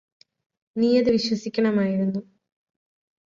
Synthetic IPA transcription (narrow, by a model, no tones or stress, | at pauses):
niːɐðɨʋiɕwɐsikʲːɐɳɐmaːjiɾunːu